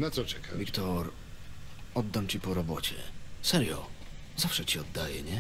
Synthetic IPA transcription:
nat̪sɔt͡ʂɛkʰavʲikt̪ɔɾ | ɔd̪ːamt͡ɕipɔɾɔbɔt͡ɕɛ̰sɛɾjɔ̰ | zafʂɛt͡ɕiɔd̪ːajɛɲɛ

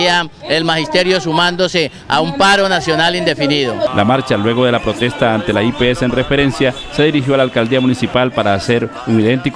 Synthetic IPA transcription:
aelmahist̪e̞ɾjo̞sumãnd̪o̞se̞ | a̰umpaɾo̞nasjo̞nalind̪e̞finiðolʔa̰maɾt͡ʃalwe̞ɣ̞o̞ð̞e̞lapɾo̞t̪e̞st̪aːnt̪e̞laipeeseːnre̞fe̞ɾe̞nsja | se̞ðiɾixjo̞alalkald̪iamunisipalpaɾaːse̞ɾ | uŋiðe̞nt̪ik

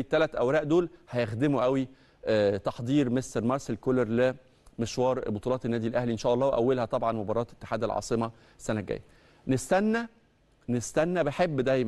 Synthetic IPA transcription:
t̪ːælæt̪ʔæwɾæːʔd̪oːlhæjexd̪emuʔæwi | t̪ɑħd̪ˤiːɾmest̪ɑɾˤmɑɾˤselkoleɾle | meʃwɑːɾˤbot̪ˤulɑːt̪enːæːd̪ilʔæhliʔenʃæːʔɑlˤːɑːweʔæwːelhæt̪ˤɑbʕɑnmobɑɾˤɑːt̪e̥t̪ːe̥ħaːd̪ælʕɑ̰ːsˤemɑ | esːænæɡæ̰jːæ | nest̪ænːæ | nest̪ænːæbeħebːd̪æjmæ

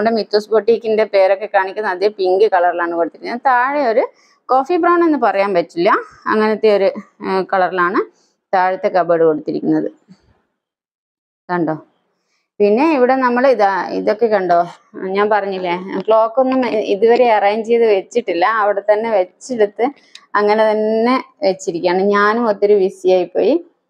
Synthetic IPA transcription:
ɽemit̪ːoːsboʈːikʲːinde̞pe̞ːɾo̞kːe̞kaːɳikʲːunːɐd̪eːjɐmpiŋɡɨkɐɭɐrilaːɳɨko̞ɽut̪ːiɾikːunɐðɨt̪aːɻio̞ɾu | ko̞ːfibraːwɳɖe̞nːɨpɐrɐjaːnʋɐt͡ɕːilːɐɐ̰ŋːɐnet̪ːeo̞ɾukɐɭɐrilaːɳɨ | t̪aːɻit̪ːe̞kɐbɐɽɨko̞ɽut̪ːiɾikʲːunːɐðɨ | kɐɳɖoː | pinːe̞iʋiɽe̞nɐmːɐɭiðaḭðo̞kːe̞kɐɳɖo̞ː | ɲaːnpɐrɐɲːilːekɭo̞ːkːonːumiðuʋɐɾeɐraːjiɲd͡ʑe̞jɐðɨʋet͡ɕːiʈːilːɐɐʋiɽe̞t̪ɐnːe̞ʋet͡ɕːeɽut̪ːɨ | ɐŋːɐnet̪ɐnːe̞ʋet͡ɕːiɾikʲːaːɳɨɲaːnumot̪ːiɾuʋisijaːjipːo̞̰ːji

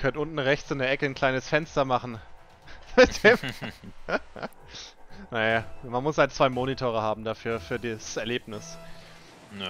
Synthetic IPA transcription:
kʰœnʔʊntn̩ʁɛçt͡sɪndeːɐʔɛkən̩kl̥aɪnəsfɛnstɐmaχn̩ | bɪd̥ɛːm | najamanmʊshaltt͡sv̥aɪmoːnitʰoːʁ̞əhaːbm̩dafyːɐfyːɐdiːsɛɐleːpnɪs

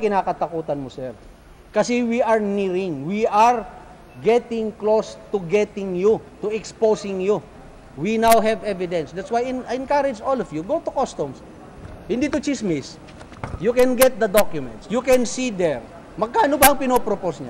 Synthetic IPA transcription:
kɪnaːkɐt̪ɐkuːt̪ɐnmosɛɹ | kɐsɛwiɐɹniɾɪŋwiaɹ | ɡɛt̪ɪ̃ŋklost̪ʊɡɛt̪ɪŋjʊt̪ʊɛksposɪŋjʊ | winawɦɛvɛvɪd̪ɛ̃nsd̪æt̪swajɪnajɛnkaɾɪd͡ʒolɔvjuɡot̪ʊkost̪ʊms | hɪnd̪it̪ʊt͡ʃismɪs | jukɛ̃nɡɛt̪̚d̪ɐd̪okjʊmɛ̰nt̪sjukɛ̃nsid̪ɛɹ | mɐɡ̚kaːnobɐɐŋpɪnopɾoposɲa̰

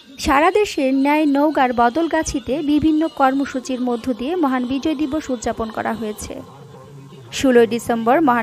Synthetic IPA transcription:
ʃaɾad̪eʃenɛaenowɡaɾbɔd̪olɡat͡ɕʰit̪ebibʱinːokɔɾmoʃut͡ɕiɾmod̪ʱːod̪iemɔɦanbid͡ʑojd̪iboʃud̪d͡ʑaponkɔ̰ɾa̰ɦojet͡ɕʰḛ | ʃuloeɖisemboɾmɔɦa

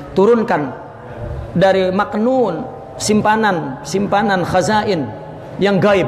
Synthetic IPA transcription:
t̪uɾʊnkan | daɾimaknun | simpanansimpananxazaʔɪn | jaŋɡaɪb̚

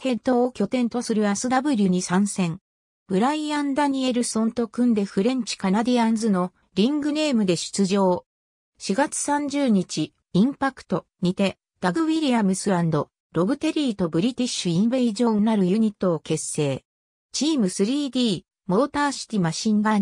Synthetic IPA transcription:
hẽ̞nt̪o̞ːkʲo̞t̪ẽ̞nt̪o̞sɨɾɯ̟asɨd̪abɯ̟ɾʲɯ̟ɲ̟isãɰ̃sẽ̞ŋ | b̥ɯ̟ɾaiãnd̪aɲ̟ie̞ɾɯ̟sõ̞nt̪o̞kɯ̟̃nd̪e̞ɸɯ̟ɾẽ̞ɲ̟t͡ɕi̥kanad̪iãnzɨno | ɾʲĩŋɡɯ̟ne̞ːmɯ̟d̪e̞ɕɨ̥t͡sɨʑo̞ː | ɕiɡat͡sɨ̥sãɲ̟d͡ʑɨːɲ̟it͡ɕi | ĩmpakɯ̟̥t̪o̞ɲ̟it̪e̞ | d̪̥aɡɯ̟wiɾʲiamɯ̟sɨɾãnd̪o̞ | ɾo̞bɯ̟t̪e̞ɾʲiːt̪o̞bɯ̟ɾʲit̪ʲiɕɨĩmbe̞iʑo̞ːnaɾɯ̟jɯ̟ɲ̟it̪ːo̞ːke̞sːe̞ː | t͡ɕiːmɯ̟sɨɾʲiːd̪ʲiː | mo̞ːt̪aːɕi̥t̪ʲimaɕĩŋɡa

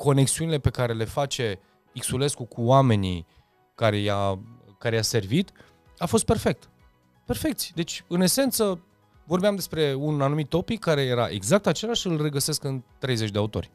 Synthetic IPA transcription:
kʰo̞ne̞ksiunile̞pe̞kaɾe̞le̞fat͡ʃe̞ | iksule̞skukʰuame̞nḭ | kaɾe̞ja | kaɾe̞jase̞rvit̪ | afo̞s̬t̪̚pe̞rfe̞k̚t̪ | pe̞rfe̞kt̪sʲd̪e̞t͡ʃʲɨne̞se̞nt̪sə | vo̞rbeamd̪e̞spɾe̞unanumit̪ːo̞pikʰːaɾe̞je̞ɾaʔe̞̰ɡzak̚t̪at͡ʃe̞laʃɨlre̞ɡəse̞skɨnt̪ɾe̞jzet͡ʃʲd̪eaut̪o̞̰rʲ

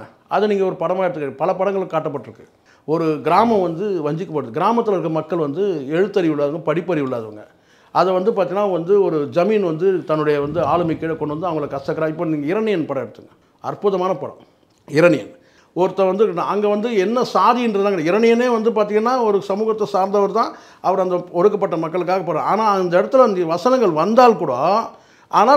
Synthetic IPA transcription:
ʔɐðɛniːŋɡɐɔɾɯpɐɽɐmaːɪɽɯt̪ɯŋɡɐpɐɭɐpɐɽɐŋɡɐɭɯkːaːʈːɐpːɐʈːɪɾɯkːɯ | ɔɾɯɡɪɾaːmɐ̃mʋɐnd̪ɯʋɐɲd͡ʒɪkːɐpːɐɽɯðɯɡɪɾaːmɐt̪ːɪlɐɪɾɯkːɐmɐkːɐɭʋɐnd̪ɯɛɻɯt̪ːɐɾɪʋɪɭːaːðʋɯŋɡɐpɐɽɪpːɐɾɪʋɪɭːaːðɯʋɐ̰ŋɡɐ | ɐðɛʋɐnd̪ɯpaɾt̪iːŋɡɐnːaːʋɐnd̪ɯɔɾɯd͡ʒɐmiːnʋɐnd̪ɯt̪ɐnːɯɽɐjɐʋɐnd̪ɯaːɭɯmɐɪkːɐɭɐkɔɳɖɯʋɐnd̪ɯɐʋɐŋɡɐɭɐkːɐst̪ɐkːɐɾaːɪpːoːniːŋɡɐɪɾɐnɪjɐnpɐɽɐ̃ɛɽɯt̪ːɯŋɡɐ | ɐ̰rpʊðɐmaːnɐpɐɽɐ̰̃ | ɪɾɐɳɪjɐ̰n | ɔɾɯt̪ːɐʋɐnd̪ɯnaɐŋɡeʋɐnd̪ɯɛnːɐsaːðɪɪndɾɐt̪ãːŋkːɪɽɐɪɾɐnɪjɐneːʋɐnd̪ɯp̬aːɾt̪̬iːŋɡɐnːaːɔɾɯsɐmuːɣɐt̪ːɐsaːɾnd̪ɐʋɐɾt̪ãː | ɐʋɐɾɐnd̪ɐɔɾɯkːɐpːɐʈːɐmɐkːɐɭɯkːaːɣɐpːɐɽaaːnaːɐnd̪ɐɛɽɐt̪ːɯlɐnd̪ʋɐsɐnɐŋɡɐɭʋɐnd̪aːlkʊɽaː | ʔaːnaː

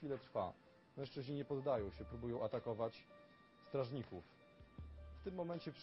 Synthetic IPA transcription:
ilɛt̪ɾfa̰ | mɛ̃ʂt͡ʂɘʑɲiɲɛpɔd̪ːajɔ̃w̃ɕɛpɾubujɔ̃w̃at̪akɔvat͡ɕ | st̪ɾaʐɲikuf | ft̪ɘmːɔmɛɲt͡ɕɛpʂ

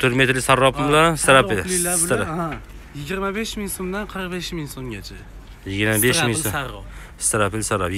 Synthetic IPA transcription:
t̪ʰʊɾmet̪ʰlɪsaɾːɒpɪɪlasɾapɪlɾa | jɪɡʲɪɾmabeʃmɪŋsomd̪anqʰəɾqbeʃmɪŋsomɡʲat͡ʃʰa | jɪɡʲɪɾmabeʃʃmɪŋ | st̪aɾapɪlsaɾːa̰p

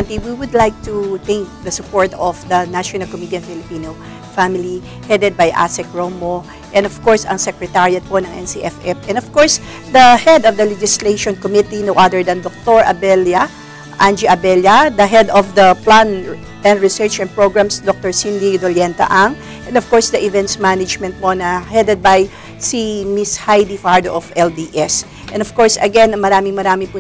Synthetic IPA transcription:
ant̪iwiwʊd̪lajk̚t̪ut̪ɛ̃ŋk̚d̪ɐsʊpɔɹt̪ɔfd̪ɐnaʃɔnɐlkɔmit̪iɛnfɪlɪpiːno | famɪli | hɛd̪ɛd̪̚bajʔa̰sɛk̚ɹomo | ʔɛ̃nd̪ɔv̥kɔɹsɐ̰ŋsɛkɹɛt̪aɹiɐt̪̚ponɐŋʔɛ̰nsiʔɛfɛfʔɛ̃nɔv̥kɔɹs | d̪ɐhɛd̪ɔvd̪ɐlɛd͡ʒɪsleʃɔ̃nkɔmit̪inowʔad̪ɛɹd̪ɐnd̪ɔk̚t̪oɹʔɐ̰bɛlja | ʔand͡ʒiʔɐbɛljɐd̪ɐɦɛd̪ɔfd̪ɐplan | ɛ̃ndɹɪsɛɹt͡ʃɛ̃n̚pɹoɡɹamsd̪ɔk̚t̪ɔɹsind̪id̪oljɛnt̪ɐ̰ʔɐŋ | ʔɛ̃nɔv̥kɔɹsd̪ɐʔɪvɛ̃nt̪smanɪd͡ʒmɛnt̪̚ponɐhɛd̪ɛd̪̚bɐj | simɪshajd̪ifaɹd̪oʔɔfɛld̪iʔɛs | ʔɛ̃nɔv̥kɔɹsɐɡɛnɐŋmɐɾaːmɪŋmɐɾaːmɪpʊ

